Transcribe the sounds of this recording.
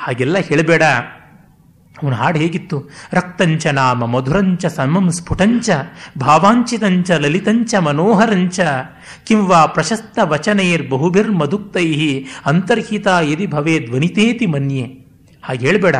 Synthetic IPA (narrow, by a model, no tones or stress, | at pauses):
haːɡɛlːɐɦeːɭbeːɽɐ | ɐʋɐnɦaːɽɦeːɡit̪ːuɾɐk̚t̪ɐɲt͡ʃɐnaːmɐmɐd̪ʱuɾɐɲt͡ʃɐsɐnmɐmspʰuʈɐɲt͡ʃɐbʱaːʋaːɲt͡ʃit̪ɐɲt͡ʃɐlɐlit̪ɐɲt͡ʃɐmɐnoːɦɐɾɐɲt͡ʃɐ | kimʋaːpɾɐʃɐst̪ːɐʋɐt͡ʃɐneːɾbɐɦubʱiɾmɐd̪ʱuk̚t̪ɐjɦiɐnt̪ɐɾɦit̪aːjɐd̪ibʱɐʋeːd̪ʋɐnit̪eːt̪imɐnje | haːɡɦeːɭbeːɽɐ